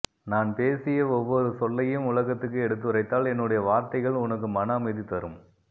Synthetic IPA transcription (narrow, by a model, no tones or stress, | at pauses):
naːnpeːsɪjɐɔʋːɔɾɯsɔlːɐjɯmʊlɐɣɐt̪ːɯkːɯɛɽɯt̪̬ːɯɾɐɪt̪ːaːlɛnːɯɽɐjɐʋaːɾt̪ɐɪɣɐɭʊnɐk̬ːɯmɐnɐːmɐɪðit̪ɐɾɯm